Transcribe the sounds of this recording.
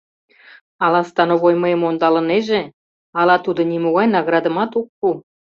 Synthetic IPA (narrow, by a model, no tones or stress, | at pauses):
ɑlɑst̪ɑnoβojməemond̪ɑlə̆neʒĕ | ɑlɑt̪ud̪ŏnʲimuɣɑjnɑɣɾɑd̪ə̆mɑt̪ukːu